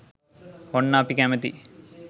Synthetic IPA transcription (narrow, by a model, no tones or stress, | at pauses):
honːaːpikæmət̪ḭ